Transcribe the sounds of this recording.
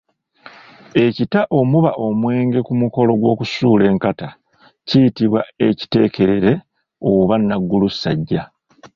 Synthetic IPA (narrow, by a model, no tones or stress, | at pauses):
e̞citaʔo̞muβaʔo̞mwe̞ːŋɡe̞kumuko̞lo̞ɡwo̞ːkusuːle̞ːŋkata | cijitiβwae̞ci̥te̞ːke̞ɾe̞ɾe̞ | o̞βanːaɡːulusːa̰ɟːa